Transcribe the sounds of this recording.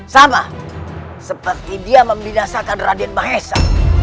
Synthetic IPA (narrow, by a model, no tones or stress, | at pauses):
sama | səpərt̪idiaməmbinasakanradinmaɦɛsa̰